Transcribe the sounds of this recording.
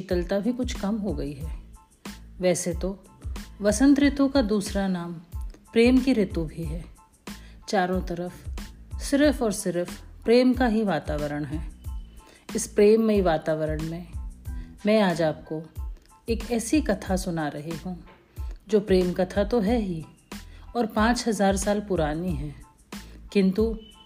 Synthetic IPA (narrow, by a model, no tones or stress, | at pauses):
ɪt̪əlt̪abʱikʊt͡ʃʰkɐmɦoɡɐiɦɛː | ʋɛːset̪o | ʋɐsə̃nt̪ɾɪt̪ũkad̪uːsɾanaːmpɾeːmkiɾɪt̪ubʱiɦɛː | t͡ʃaːɾõt̪ɐɾəfsɪɾfɔːɾsɪɾfpɾeːmkaɦiʋaːt̪aːʋəɾəɽ̃ɦɛː | ɪspɾeːmːẽiʋaːt̪aːʋəɾəɽ̃mẽ | mɛ̃ːaːd͡ʒaːp̚ko | eːkɛːsikɐt̪ʰasʊnaɾɐɦeɦũː | d͡ʒoːpɾeːmkɐt̪ʰat̪oɦɛɦi | ɔːɾpãːt͡ʃɦɐzaːɾsaːlpʊɾaːniɦɛː | kɪ̃nt̪u